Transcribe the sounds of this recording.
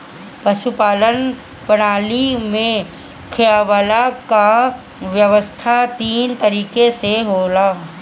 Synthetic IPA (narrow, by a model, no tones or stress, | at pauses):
pɐʃupaːlən | pɐɽ̃aːlimẽ | kʰɪjaːʋəlaka | ʋjɐʋəst̪ʰat̪iːnt̪ɐɾiːkeseɦoːlaː